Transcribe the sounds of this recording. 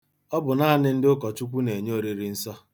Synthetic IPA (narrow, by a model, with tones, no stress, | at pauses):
ɔ˦bʊ˨na˦nɪ˦n̩˦dɪ˦ʊ˦kɔ˨t͡ʃu˦kʷu˦ne˨ɲ˦o˨ɾi˨ɾi˨n̩˦sɔ˦